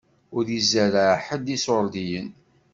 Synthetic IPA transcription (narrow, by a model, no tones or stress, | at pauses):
ʊɾizæɾaħəd̪isoɾd̪ijən